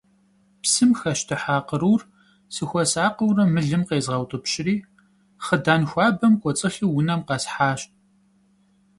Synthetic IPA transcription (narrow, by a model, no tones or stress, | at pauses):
psɨmxɐʃtʰɨħaːqəɾuːr | sɨxʷɔsaːqəwrɐmɨɮɨmqeːzʁɐwtʼɨpɕɪriː | χədaːnxʷɑːbɐmkʷʼɔt͡sʼɨxiwʊnɐmqɑsħaːɕt̚ʼ